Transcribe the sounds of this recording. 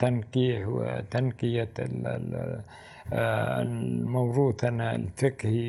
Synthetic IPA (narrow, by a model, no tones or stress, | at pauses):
t̪ankiːhw̰t̪ankɪja̰ | mawɾuːθhanalfɪkhi